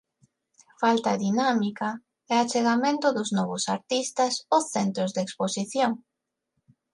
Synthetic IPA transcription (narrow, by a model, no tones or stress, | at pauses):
falt̪aðinamika | ɛat͡ʃeɣamẽnt̪ʊðʊznɔβʊsaɾt̪ist̪ɐsoθɛnt̪ɾʊzðeksposiθjoŋ